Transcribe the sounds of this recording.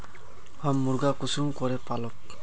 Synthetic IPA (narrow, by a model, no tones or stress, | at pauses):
hamːuɾɡakusumkɔɾɛpalɔk